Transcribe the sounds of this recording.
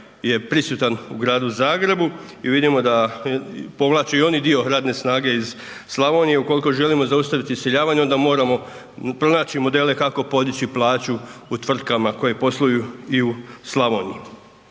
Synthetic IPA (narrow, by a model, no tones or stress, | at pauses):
je̞pɾisut̪anuɡɾaːd̪uzaːɡɾe̞bu | iʋid̪imo̞d̪a | po̞ʋlˠaːt͡ɕeio̞nid̪io̞ɾaːd̪ne̞snaːɡe̞iz | slˠaʋo̞nije̞uko̞liko̞ʒe̞limo̞zaust̪aʋit̪isjeʎaːʋaɲo̞nd̪amo̞ːɾamo̞ | pɾo̞naːt͡ɕimo̞d̪e̞ːle̞kako̞po̞d̪it͡ɕiplˠaːt͡ɕuːt̪ʋr̩t̪̚kamako̞jepo̞slˠojuiuslˠaʋo̞nḭi